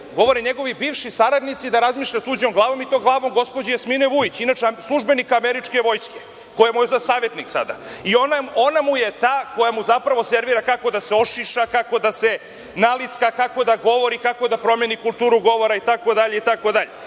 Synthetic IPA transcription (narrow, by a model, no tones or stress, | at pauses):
ɡo̞ʋo̞ɾeɲeɡo̞ʋibiːʋʃisaɾad̪nit̪sid̪aɾazmiːʃʎat̪uːd͡ʑomɡlˠaːʋo̞mit̪o̞ɡlˠaːʋo̞mɡo̞spod͡ʑejasmineʋujit͡ɕinat͡ʂeslˠuʒbe̞nikaːmeɾit͡ʂke̞ʋo̞jske̥ | kojemozasaːʋjet̪niksa̰d̪a̰ionao̞namuje̞t̪aːko̞jamuzapɾaʋo̞seɾʋiɾakako̞d̪aseo̞ʃiʃakako̞d̪ase | nalit̪skakako̞d̪aɡo̞ʋo̞ɾikako̞d̪apɾo̞menikulˠt̪uːɾuɡo̞ʋo̞ɾait̪ako̞d̪aʎe̞it̪ako̞d̪aʎe